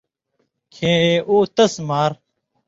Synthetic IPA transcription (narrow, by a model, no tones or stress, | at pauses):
kʰẽːeːʔoːt̪ɐsmaːɾ